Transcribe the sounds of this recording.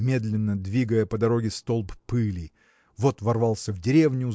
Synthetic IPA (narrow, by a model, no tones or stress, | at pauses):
mʲe̞d̪lʲɪnːəd̪vʲiɡəjəpəd̪ɐɾo̞ɡʲɪst̪o̞lˠppɨlʲi | vo̞t̪vɐrvɑlˠsʲəvdʲɪɾʲe̞vnʲʊ